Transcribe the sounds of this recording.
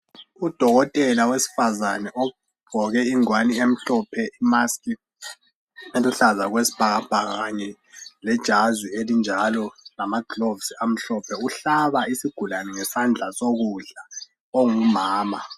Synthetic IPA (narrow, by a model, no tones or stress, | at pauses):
ud̥ʱɔɣɔtʼɛlawesi̥fazanɛʔɔ | b̥ʱɔɣɛiŋwaniem̩ɬɔpʰɛʔimaskʼi | eluɬazaɣwesi̥b̥ʱaɣab̥ʱaɣaɣaɲɛ | lɛd̥ʒ̥ʱazwielind͡ʒʱalɔlamaɡ̥ʱlovsiam̩ɬɔpʰɛuɬaβaisiɡ̥ʱulanɛŋɛsand͡ɮʱasoɣuɮa | oŋumaːma